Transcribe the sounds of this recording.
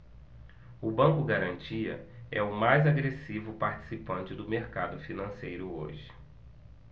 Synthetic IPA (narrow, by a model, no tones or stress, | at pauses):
ʊbɐ̃kʊɡaɾɐ̃nt͡ʃiɐ̰ɛʊmajzaɡɾesivʊpaɾt͡ʃi̥sipɐ̃nt͡ʃɪd̪ʊmeɾkad̪ʊfinɐ̃sejɾʊo̰ʒɪ